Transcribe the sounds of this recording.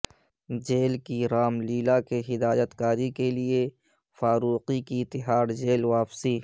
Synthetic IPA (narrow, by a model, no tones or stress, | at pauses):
d͡ʒeːlkiɾaːmliːlakeɦɪd̪aːjət̪kaːɾikelie | faːɾuːqikit̪ɪɦaːɽd͡ʒeːlʋaːpsi